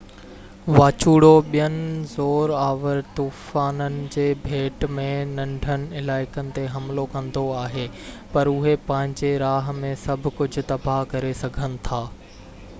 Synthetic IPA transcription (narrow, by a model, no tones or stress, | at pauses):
ʋaːt͡ɕuːɽoɓijənɪzoːɾaːʋəɾt̪uːfaːnənɪ̆d͡ʑeːbʱeːʈmẽnɐ̃ɳɖʱənɪ̆ɪlaːɪkənɪ̆t̪eɦɐmlokɐ̃nd̪oaːɦeː | pɐɾʊɦepɐ̃ɦɪ̃ɲd͡ʑeɾaːɦ̆mẽsɐbʱʊ̆kʊd͡ʑʱʊ̆t̪ɐbʱakɐɾesɐɡʱənɪ̆t̪ʰaː